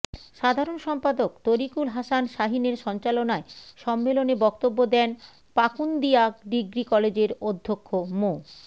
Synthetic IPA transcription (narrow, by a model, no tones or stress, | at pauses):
ʃad̪ʱaɾonʃɔmpad̪okt̪oɾikulɦasanʃaɦineɾʃɔnt͡ɕalonaeʃɔmːelonebɔkt̪obːod̪ɛn | pakund̪iakɖiɡɾikɔled͡ʑeɾod̪ʱːokʰːomo